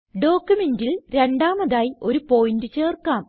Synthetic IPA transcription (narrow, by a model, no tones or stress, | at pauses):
ɖo̞ːkːumendilɾe̞ɳɖaːmɐðaːjio̞ɾupo̞ːjindɨt͡ɕe̞ːrkaːm